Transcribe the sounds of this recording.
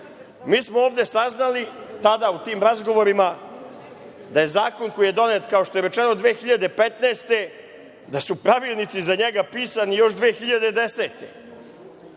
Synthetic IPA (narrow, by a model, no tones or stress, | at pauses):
miːsmooːvd̪e̞saznalit̪ad̪aut̪iːmɾazɡo̞ʋo̞ɾima | d̪aje̞zaːko̞nkojijed̪o̞net̪kao̞ʃt̪o̞jeɾe̞t͡ʃeno̞d̪ʋeːxiʎad̪e̞pet̪neːst̪e̞ | d̪asupɾaʋiːlˠnit̪sizaɲeɡapiːsanijo̞ʃd̪ʋeːxiʎad̪e̞d̪ese̞ːt̪e̞